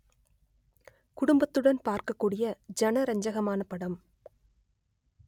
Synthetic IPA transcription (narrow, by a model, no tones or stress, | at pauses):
kʊɽʊmbɐt̪ːɯɽɐnpaːɾkɐkːuːɽɪjɐd͡ʒɐnɐɾɐɲd͡ʒɐɣɐmaːnɐpːɐɽɐm